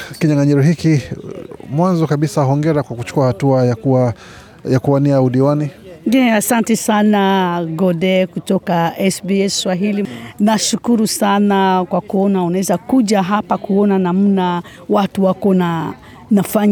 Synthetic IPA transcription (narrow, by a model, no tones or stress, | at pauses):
kiɲaŋaɲɛɾɔɦiki | mwanzɔkaɓisaɦɔŋɡɛɾakwakut͡ʃu̥kuahatuaj | jakuaniauɗiwaniɛasantɛsanaɡɔdɛkutɔkaɛsbiɛswaɦilinaʃukuɾusanakwakuɔnaunaɛzakuʄaɦapakuɔnanam̩na | watuwakɔna | nafaɲ